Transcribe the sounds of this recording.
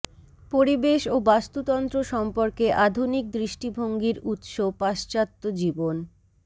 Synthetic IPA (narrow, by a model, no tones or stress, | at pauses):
poɾibeʃobast̪ut̪ɔnt̪ɾoʃɔmpoɾkeʔad̪ʱunik̚d̪ɾiʃʈibʱoŋɡiɾut̪ʃopaʃt͡ɕat̪ːod͡ʑibon